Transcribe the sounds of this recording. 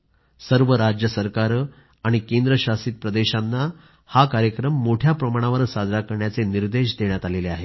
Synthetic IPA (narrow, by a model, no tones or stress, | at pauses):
səɾʋəɾad͡ʑjəsəɾkaɾ | aɽ̃ikend̪ɾəɕasiːt̪̚pɾəd̪eɕanːa | hakaɾjəkɾəmːoʈʰjapɾəmaɽ̃aʋəɾsad͡z̪ʱɾakəɾɳjat͡seniɾd̪eɕd̪eɳjat̪aleleaɦe